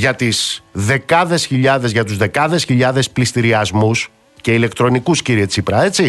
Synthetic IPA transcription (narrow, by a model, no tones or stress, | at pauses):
ʝɐt̪izðe̞kɐðe̞sçiʎɐðe̞zʝɐt̪uzðe̞kɐðe̞sçiʎɐðe̞splist̪iɾiɐzmus | ce̞ile̞kt̪ɾo̞nikusciɾiet͡sipɾɐe̞t͡si